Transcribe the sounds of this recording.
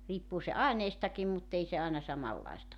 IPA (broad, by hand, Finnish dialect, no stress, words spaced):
riːpːuː se ɑineistɑkim mutːei se ɑˑenɑ sɑmɑlːɑistɑ